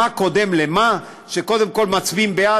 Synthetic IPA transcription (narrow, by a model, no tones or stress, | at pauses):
ako̞d̪e̞mlema | ʃeko̞d̪e̞mko̞lmat͡sbimbea